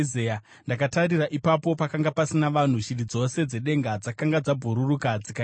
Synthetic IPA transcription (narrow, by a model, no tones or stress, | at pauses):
zeja | ndakataɾiraʔipapo̞pakaŋɡapasinaʋan̤uʃirid͡zo̞se̞d͡ze̞ɗe̞ŋɡad͡zakaŋɡad͡zabʱuɾurukad͡zika